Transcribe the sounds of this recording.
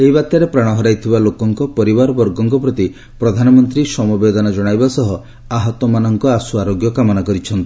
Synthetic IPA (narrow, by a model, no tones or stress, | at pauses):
eɦibat̪jaɾepɾaɽ̃ɔɦɔɾajt̪ʰibalokɔŋkɔpɔɾibaɾɔbɔɾɡɔŋkɔpɾɔt̪i | pɾɔd̪ʱanɔmɔnt̪ɾisɔmɔbed̪ɔnɔd͡ʒɔɽ̃ajbasɔɦɔ | aɦɔt̪ɔmanɔŋkɔasuaɾoɡjɔkamɔnakɔɾit͡ʃʰɔnt̪i